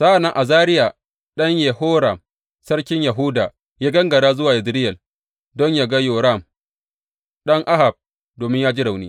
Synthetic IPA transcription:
sa˦ʔa˨na˨ʔa˨zaː˦ɾɪ˦ja˨ | ɗɐ˦ɲje˨hoː˦ɾa˨m | sɐ˦rkʲɪ˦ɲja˨ɦʊː˦daː˨ | jaː˦ɡɐ˦ŋɡɐ˨ɽaː˦zʊ˦waː˨ʔɪ˨dɾɪ˦jɛ˨l | dɔ˦ɲjaː˨ɡa˦joː˨ɾa˦˨m | ɗɐ˦ŋʔa˦ha˨b̚ | doː˨mɪ˦ɲjaː˦d͡ʒi˦ɽa˨wnḭː˦

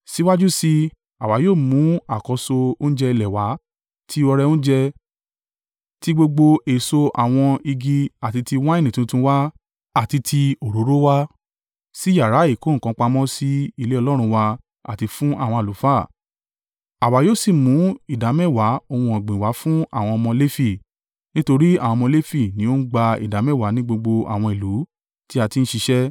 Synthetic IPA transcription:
si˦wa˦d͡ʒu˦si˧ | a˨wa˨˦joː˦˨mũ˨˦a˨kɔ˨˧˦so˧o˦n̩˦d͡ʒɛ˧i˧lɛ˨wa˨˦ | tʰi˦ɔ˧ɾɛ˧õ˦d͡ʒɛ˧ | ti˦ɡ͡bo˧ɡ͡bo˧e˨so˧a˨w̃ɔ̃˧i˧ɡi˧a˨ti˧ti˧w̃ã˦e˦˨nĩ˨tũ˦tũ˧˦wa˦ | a˨ti˧tʰi˧o˨ɾo˨˦ɾo˦wa˦ | si˦ja˨ɾa˨˦i˦˨ko˨˦˨kã˧˦k͡pa˧mɔ̃˦si˦i˦˧le˦ɔ˧lɔ˦ɾ̃ũ˧˦wa˧ | a̰˨ti˧fũ˦ʔa˦˨w̃ɔ̃˧a˨lu˨˦fa˦˨ | a˨wa˨joː˦si˦˨mũ˨˦i˦˨da˨˦mɛ˦˨wa˨˦o˧wũ˧ã˨ɡ͡bĩ˨wa˨˦fũ˦a̰˦˨w̃ɔ̃˧ɔ˧mɔ̃˧le˦fi˦˨ | nĩ˦to˧ɾi˦a˨w̃ɔ̃˧mɔ̃˧le˦fi˦˨nĩ˨˦o˦ɡ͡ba˧ḭ˨da˨˦mɛ̃˦˨wa˨˦nĩ˦ɡ͡bo˧ɡ͡bo˧a̰˨w̃ɔ̃˧i˨lu˨˦ | ti˦a˧ti˧n̩˦ʃi˧ʃɛ˦

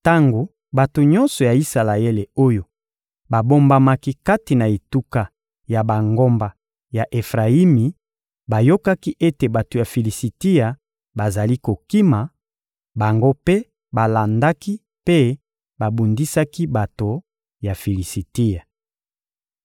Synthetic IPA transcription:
ta˦ŋɡo˨ | ba˨to˨ɲɔ̃˦nsɔ˨ja˨i˦sa˨la˨e˦le˨o˦jo˨ | ba˨bo˦mba˦ma˦ki˦ka˦ti˨na˨e˨tu˦ka˨ | ja˨ba˨ŋɡo˦mba˨ | ja˨ʔe˨fʁa˨i˦mi˨ | ba˨jo˦ka˦ki˦ʔe˦te˨ba˨to˨ja˨fi˨li˨si˨ti˦ja˨ | ba˨za˨li˦ko˨ki˦ma˨ | ba˨ŋɡo˦pe˦ | ba˨la˨nda˦ki˦ | pe˦ | ba˨bu˨ndi˦sa˦ki˦ba˨to˨ | ja˨fi˨li˨si˨ti˦ja˨

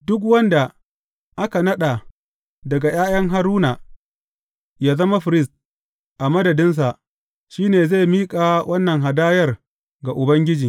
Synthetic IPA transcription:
dʊ˦k̬wɐ˦nda˨ | ʔa˦ka˨nɐ˦ɗa˨ | dɐ˨ɡa˨jaː˦jɐ˦ŋɦa˦ɾuː˦na˨ | jaː˦zɐ˦ma˦ɸɪ˨ɾɪ˦˨st̚ | ʔa˨mɐ˦dɐ˨dɪ˦ns̬a˨ʔ | ʃiː˦neː˨za˦˨jmiː˦kʼaː˨wʔɐ˦nːɐ˨ŋɦa˨daː˦jɐ˦r | ɡa˨ʔʊ˨bɐ˦ŋɡʲɪ˦d͡ʒiː˨

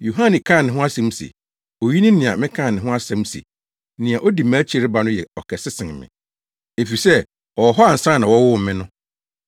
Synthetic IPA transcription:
jo˨ɦã˦nɪ̃˨kʰã˦˨nɪ̃˨ɦʊ̃˦a˦sɛ̃˦m˦sḛ˨ | o˨ji˦nɪ̃˦nɪ̃˨a˨mɪ̃˦kʰã˦˨nɪ̃˨ɦʊ̃˦a˦sɛ̃˨˦m˦sḛ˨ | nɪ̃˨a˨ʔo˦di˨mæː˦t͡ɕʰɪ˦˨ɾɪ˦ba˨nʊ̃˦jɛ˨ɔ˨kʰɛ˨sɪ˦sɪ̃˨ŋ˨mɪ̰̃˨ | e˨fi˨sɛ˦ | ɔ˨ɦɔ˦a˨n̩˨sã˦nã˨wɔ˦wʊ˦m̩˨mɪ̃˦nʊ̃˦

